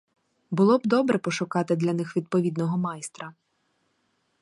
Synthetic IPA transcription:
bʊlˠɔb̚d̪ɔbɾɛpɔʃʊkɑt̪ɪd̪lʲɐnɪxʋʲid̪̚pɔʋʲid̪nɔɦɔmɑjst̪ɾɐ

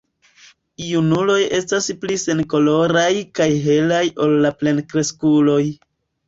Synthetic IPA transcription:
junulo̞je̞stasplise̞nko̞lo̞ɾajkajɦe̞lajo̞lːaple̞nkɾe̞skulo̞j

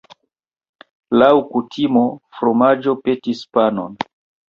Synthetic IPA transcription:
lawkutʰimo̞fɾomad͡ʒo̞pe̞tispano̰n

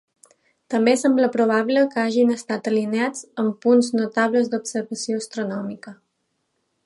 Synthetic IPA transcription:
t̪əmbesɛmbləpɾuβ̞aβləkəaʒinəst̪at̪əlinead͡zəmpunznut̪aβləzd̪upsəɾβəsioəst̪ɾunɔmikə

